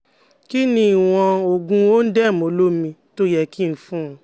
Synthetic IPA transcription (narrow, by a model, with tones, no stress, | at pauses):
ki˦nĩ˧i˨w̃ɔ̃˧o˨ɡũ˧o˦n̩˦dɛ˦˨mo˨˦lo˦mĩ˧to˦jɛ˦ki˦˨n̩˨˦fũ˦˨